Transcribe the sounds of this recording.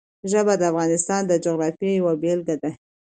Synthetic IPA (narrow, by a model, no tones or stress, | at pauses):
ʒəbad̪əafɣɑnɪst̪ɑnd̪əd͡ʒoɣɾɑfijawabelɡad̪a